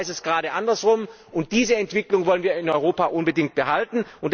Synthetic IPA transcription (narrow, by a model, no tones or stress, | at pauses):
ɪsɛsɡ̥əʁaːɾəʔandɐsʁʊm | ʔʊnt̚d̥iːzəɛntv̥ɪklʊŋvɔlənviːɐɪnɔʏʁoːpaʔʊnbədɪŋk̚t̚b̥əɦaltn̩ʊntd